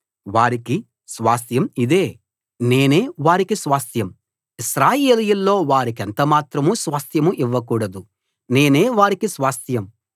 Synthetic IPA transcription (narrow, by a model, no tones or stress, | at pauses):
ʋaːɾiki | sʋaːst̪jɐmid̪e̞ː | ne̞ːne̞ːʋaːɾikisʋaːst̪jɐm | isɾaːje̞ːlijulːo̞ːʋaːɾikɛnt̪ɐmaːt̪ɾɐmusʋaːst̪ʰjɐmuʔiʋːɐkuːɽɐd̪u | ne̞ːne̞ːʋaːɾikisʋaːst̪jɐm